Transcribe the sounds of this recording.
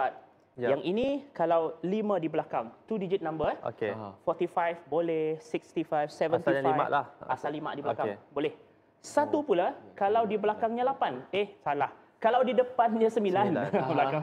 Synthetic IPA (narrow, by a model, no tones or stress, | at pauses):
at̪̚ | jaŋinĩkalawlimə̃diblakaŋt̪udid͡ʒit̪̚nãmbəo̰kefɔt̪ifajfbolɛhsikst̪ifajfsɛvənt̪ifija̰ʔla̰ha̰salːima̰ʔdibəlakaŋbolɛh | sat̪upulakalawdiblakaŋɲãlapanehsalah | kalawdidəpanɲãsəmbilanblakaŋ